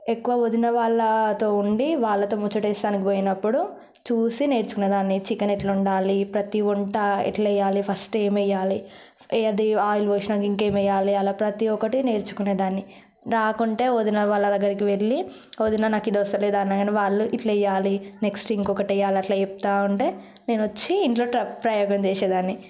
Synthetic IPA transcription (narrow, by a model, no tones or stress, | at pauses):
ekːuʋaːod̪inɐʋaːɭːɐt̪o̞ːuɳɖiʋaːɭːɐt̪o̞ːmut͡ʃːɐʈeːst̪aːnikipoːjinɐpːuɽu | t͡ʃuːsine̞ːɾt͡ʃukuneːd̪aːnːit͡ʃikːɐneʈlɐuɳɖaːlipɾɐt̪iuɳʈɐḭʈlɛjːaːlipʰɐsʈe̞ːmɛjːaːli | ɐd̪iaːjilʋɐːʃnaːkiŋke̞ːmɛjːaːliɐːlaːpɾɐt̪iɔkɐʈine̞ːɾt͡ʃu̥kuneːd̪aːnːi | ɾaːkuɳʈe̞ːoːd̪inɐʋaːlːɐd̪ɐɡːɐɾikiʋe̞lːi | oːd̪inɐnaːkid̪ʋɔst̪ɐleːd̪aːnːaɡɐneʋaːɭːuʔiʈlɛjːaːline̞ksʈiŋkɔkɐʈɐjːaːliɐʈlaːt͡ʃep̚t̪aːuɳʈeː | ne̞ːnuʋɐt͡ʃːiːɳʈlo̞ːʈɾɐpɾɐjɔːɡɐmt͡ʃɛːʃeːd̪aːnːi